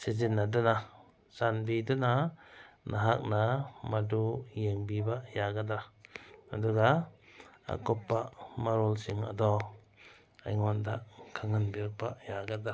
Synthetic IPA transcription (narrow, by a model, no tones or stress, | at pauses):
sizinːadɔna | sanbidɔnanʔaɦak̚namadujeŋbibaʔjaɡada | aduɡa | a̰kɔpːamaɾolsiŋa̰dɔ | a̰jŋɔndaʔkʰaŋanbik̚baʔjaɡada